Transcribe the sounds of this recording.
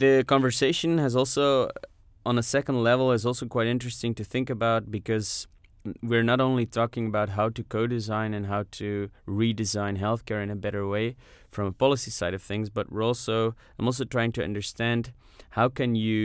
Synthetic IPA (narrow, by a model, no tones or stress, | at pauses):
ðɨkʰɑ̃ɱvə˞seɪʃɨ̃nɨzɔlˠsoʊ | ə̃nəsɛkn̩dˡlɛvl̩ˠɨzɔlˠsoʊkʰw̥aɪɾɪ̃nt͡ʃɹ̥ɨstɪ̃ŋtɨθɪ̃ŋkɨbaʊt̚b̥ɨkʰʌz | wiɹnəɾõʊ̃nlitʰɔkɪ̃ŋɨbaʊt̚ɦaʊɾɨkʰoʊdɨzãɪ̃nɨ̃nɦaʊɾɨɹidɨzãɪ̃nɦɛlˠθkʰɛɹɨ̃nɨbɛɾə˞weɪ | fɹʌ̃məpʰɑlˠəsisaɪɾʌv̥θɪ̃ŋzbʌt̚wɪɹɔlˠsoʊ | mɔlˠs̬oʊtɹ̥aɪɪ̃ŋtʰɨʌ̰̃ndə˞stæ̃nd | haʊkɨ̃njɨ